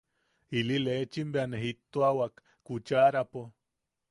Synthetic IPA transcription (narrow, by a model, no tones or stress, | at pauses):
ililet͡ʃimbeaneɦit̪ːoawak | kːut͡ʃaɾapo